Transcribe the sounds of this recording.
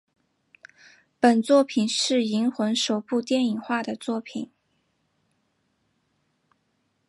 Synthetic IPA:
pə˨˩nt͡swɔ˥˩pʰi˨˩nʂɻ̩˥˩i˧˥ŋxwə˧˥nʂo˨˩ʊpu˥˧t̪jɛ˥˩ni˨˩ŋxwa˥˩d̪ə˩t͡swɔ˥˩pʰḭ˨˩˦n

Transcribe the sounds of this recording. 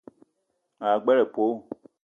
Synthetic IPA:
a˨ɡ͡bɛ˦ɾɛ˨po˨˦

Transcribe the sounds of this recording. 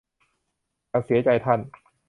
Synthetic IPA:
a˧ŋsi˨˦ɐt͡ɕa˧jt̪ʰa˥˩n

